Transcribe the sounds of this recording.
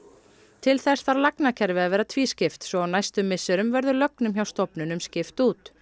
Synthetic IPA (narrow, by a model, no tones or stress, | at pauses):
t̪ʰɪlθɛst̪vaɾlaknacʰɛɾvɪavɛːɾat̪ʰviːscɪft̪sɔɣawnajst̪ʏmːɪsʏɾʏmvɛɾðʏlœknʏmçawst̪ɔpnʏnʏmscɪft̪uːt̪